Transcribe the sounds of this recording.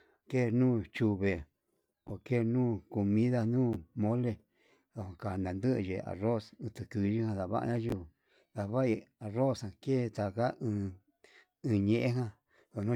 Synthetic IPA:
ke˦˨nũː˦˨t͡ʃu˧βe˨ | o˨ke˦˨nũː˦˨ko˨mĩ˦ða˦˧nũː˦˨mõ˦le˧ | ðo˧˨hã˧˨ka˨nã˨nd̪ɨ˦ʔʒḛ˨a̰˨ro˦˨sɨ̃˧t̪ɨ˧kɨ˧ʒi˦hã˧ða˧βa̰˦ʔa̰˧ɲã˦ʒi˧˨ | ða˨βa˦i˧a˨ro˦˨shã˧˨ke˦˨˧t̪a˧ka˦ɨ̃ː˧ | ɨ̃˧ɲẽ˧ʔẽ˦ɦã˦ | ðo˧˨nõ˦

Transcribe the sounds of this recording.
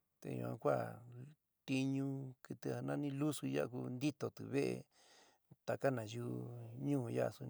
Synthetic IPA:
t̪ḛ˧˨jṵ̃˧˨ã̰˧kʷa˦˨ | t̪i˧ɲũ˧kɨ˧t̪ɨ˧a˧nã˦nĩ˦lu˦su˧ja̰˦ʔku˧nd̪i˦t̪o˨t̪ɨ̰˨βe˦ʔḛ˧ | t̪a˨ka˦nã˨ju˦˧ɲũː˦˨ja̰˦˨su˧

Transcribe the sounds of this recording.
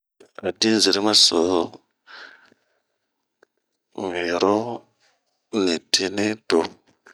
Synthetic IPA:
a˨di˦n˦zi˨ɾi˦ma˦so˨o˦ | ŋi˨ɾo˦ | ni˨ti˦ni˦to˨

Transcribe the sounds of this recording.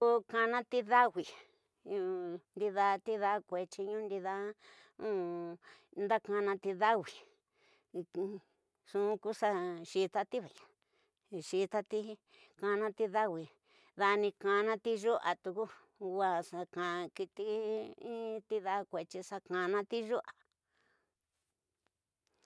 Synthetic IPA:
u˧ka˧nã˦t̪i˧ða˦wʷi˨ | ũ˧nd̪i˧ða˧t̪i˦ða˧˦˧kʷe˧t͡ʃi˧ɲũ˦nd̪i˧ða˧˦ | ũ˦ | nd̪a˦kã˧nã˧t̪i˧ða˦wi˨˧ | ʂũ˧˦˧ku˦sa˦˧ʃi˧t̪a˧t̪i˦βa˨ã˨ | ʃi˧t̪a˧t̪i˦ | kã˧nã˧t̪i˧ða˦wi˧ | ða˧nĩ˧kã˧nã˧t̪i˦ʒu˦ʔa˨t̪u˧ku˦ | wa˧sa˧kã˧ki˧t̪i˧ĩ˦t̪i˦ða˧kʷe˨t͡ʃi˧sa˧kã˧nã˦t̪i˦ʒu˦ʔa˨

